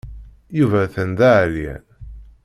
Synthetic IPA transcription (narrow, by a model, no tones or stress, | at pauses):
juvæθənd̪æʕlin